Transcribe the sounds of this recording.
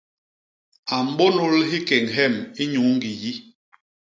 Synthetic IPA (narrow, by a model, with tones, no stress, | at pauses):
a˨m̩˦bo˦no˦lɦi˦kɛ˨ŋɦɛ˦˨mi˦ɲu˨˦ŋ˦ɡi˨ji˦